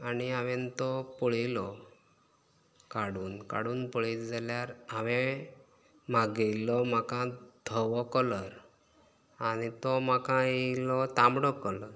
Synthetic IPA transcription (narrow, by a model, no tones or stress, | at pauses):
aniaʋẽnt̪ɔpɔɭilɔ | kaɽuːnka̰ɽuːnpɔɭitd͡zaljaɾaʋẽ | m̤aɡilɔm̤akãd̪ʱəʋɔkɔləɾ | anit̪ɔmakãilɔt̪ambɽɔkələɾ